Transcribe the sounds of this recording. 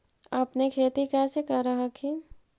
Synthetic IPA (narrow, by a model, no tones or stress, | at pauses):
əpnekʰeːt̪ikɛːsekəɾəɦəkʰi